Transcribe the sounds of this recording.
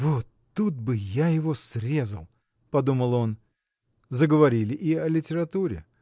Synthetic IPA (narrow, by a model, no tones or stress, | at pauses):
vot̪ːut̪̚bɨjajɪvosɾʲe̞zəlˠ | pɐd̪uməlˠo̞n | zəɡəvɐɾʲilʲɪʔiɐlʲɪtʲɪɾɐt̪uɾʲɪ̰